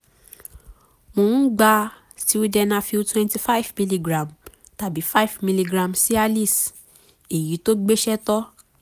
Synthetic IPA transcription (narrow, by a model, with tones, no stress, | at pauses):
mo˧˨n̩˦ɡ͡ba˧ | si˨˦u˦dɛ˧nã˦fi˧u˦twɛ̃˧nti˧fa˦i˨vmĩ˧˦li˧ɡɾã˨m | ta˨bi˨˦fa˦i˨vmi˧li˧ɡɾã˨msi˦a˧li˦˨s | e˨ji˨˦to˦ɡ͡be˦ʃɛ˦tɔ˦